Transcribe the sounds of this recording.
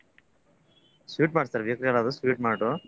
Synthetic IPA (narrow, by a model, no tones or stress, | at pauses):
sʋiːʈmaːɽsaɾʋjɐkɾijɐlaːd̪usʋiːʈ̚maːʈu